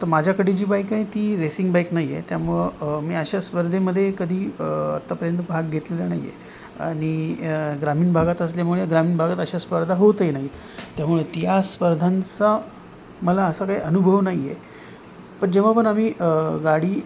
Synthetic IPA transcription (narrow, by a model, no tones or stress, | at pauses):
t̪əɾmad͡ʑʱjakəɽid͡ʑiːbajkːait̪iːɾesiŋɡbajknaijḛt̪jamuɭmiːəɕaspəɾd̪ʱeməd̪ʱːjekəd̪ʱiːə̰t̪ːapəɾjənt̪əbʱaɡɡʱet̪lelanaɦḭjḛ | a̰ɽ̃iɡɾamiːnbʱaɡat̪əsljamuɭeɡɾamiːnbʱaɡat̪əɕaspəɾd̪ʱaɦot̪jnaɦit̪ | t̪jamuɭet̪jaspəɾd̪ʱant͡sa | məlaəsakaɦiːʔənubʱəʋnaie | pəɳd͡ʑeʋ̤apəɳamiːʔɡaɽ̤iː